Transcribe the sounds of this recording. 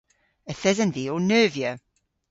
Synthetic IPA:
əθɛzəndionøːvjə

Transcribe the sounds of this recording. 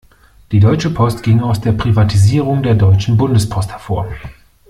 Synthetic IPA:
d̥iːdɔʏt͡ʃəpʰɔstɡ̥ɪŋaʊsd̥eːɐpʁ̥ivatʰiziːʁʊŋdeːɐdɔʏt͡ʃn̩bʊndəspʰɔsthɛɐfoːɐ

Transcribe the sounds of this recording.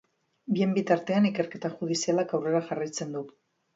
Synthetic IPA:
bie̞mbit̪aɾt̪e̞anike̞ɾke̞t̪axuðisialakawre̞ɾaxarajt͡se̞nd̪u

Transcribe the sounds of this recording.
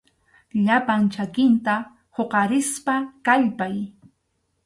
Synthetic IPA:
ʎapant͡ʃakɪnt̪a | hoqɑɾɪspakaʎpaj

